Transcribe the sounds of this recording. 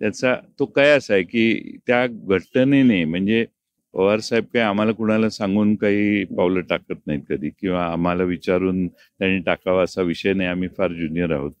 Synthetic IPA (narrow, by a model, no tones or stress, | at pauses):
t̪jat͡sat̪okajəsajkiːt̪jaɡʱəʈːənenam̤əɳd͡ze | oʋəɾsaib̚kaiam̤alakuɽ̃alasãŋɡuːnkaɦiːpawləʈakət̪̚naɦit̪̚kəd̪ʱiːkĩw̃ʋaːm̤alaʋit͡ɕaɾuːn | t̪jaɽ̃iːʈakaʋəəsaʋiɕəjnajam̤iːfaɾd͡ʑunijəɾa̰ɦot̪̚